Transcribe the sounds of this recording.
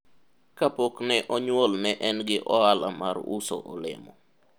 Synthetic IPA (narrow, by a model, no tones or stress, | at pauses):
kapoknɛʔɔɲwɔlnɛʔɛnɡɪʔɔalamaɾuso̰ʔɔlɪ̰mɔ